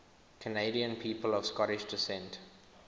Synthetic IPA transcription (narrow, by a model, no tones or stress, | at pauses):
kʰəneɪdiə̃npʰiːpəlɔv̥skɔɾɪʃdɪsɛ̃nt